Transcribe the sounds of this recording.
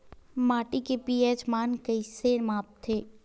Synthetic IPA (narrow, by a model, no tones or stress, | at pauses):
maːʈikepiːeːd͡ʒmaːnkɐiseɾmaːp̚t̪ʰeː